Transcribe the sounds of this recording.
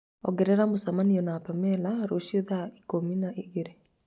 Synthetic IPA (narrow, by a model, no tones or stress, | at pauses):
ɔ̰ɣɛɾɛɾamosamaniɔnapamɛlaɾoʃioðaikominaʔiɣeɾe